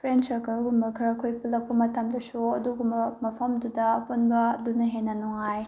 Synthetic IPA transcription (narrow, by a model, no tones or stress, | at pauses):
pʰɾent͡ʃsɐɾkɐlɡumbɐkʰɾɐɐkʰojpulːɐk̚pɐmɐtɐmdɐsoɐduɡumbɐmɐpʰɐmdudɐːpunbɐɐdunɐɦenːɐnuŋaj